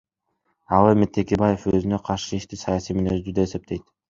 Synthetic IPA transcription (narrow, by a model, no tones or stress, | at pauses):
ɑlˠemet̪ʰːe̞kebɑje̞føzynø̞qʰɑɾʃɯiʃt̪isɑjɑsijminezd̪yd̪eːse̞p̚t̪ʰe̞jt̪